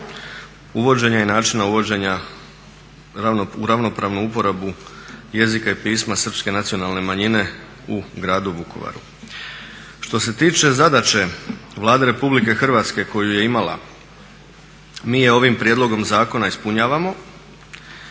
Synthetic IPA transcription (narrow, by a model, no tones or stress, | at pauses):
uʋo̞d͡ʑe̞ɲajenaːt͡ʃinauʋo̞d͡ʑe̞ɲa | uɾaʋno̞pɾaːʋnuupo̞ɾabuje̞zikaipiːsmasər̩pske̞nat̪sijo̞nalne̞maɲine̞ | uɡɾaːd̪uʋuko̞̰ʋa̰ɾṵ | ʃt̪o̞se̞t̪iːt͡ʃe̞zad̪at͡ʃe̞ʋlˠaːd̪e̞ɾe̞publike̞xr̩ʋaːt̪ske̞ko̞juje̞imala̰ | miːjeo̞ʋimpɾjed̪lˠo̞ɡo̞mzaːko̞naispuɲaːʋamo̞